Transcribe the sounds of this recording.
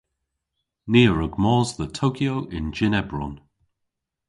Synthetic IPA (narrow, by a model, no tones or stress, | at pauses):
niːəɹəɡmɔːzðətʰoːkʰjoʊʔɪ̃nd͡ʒɪnɛbɹɔ̰n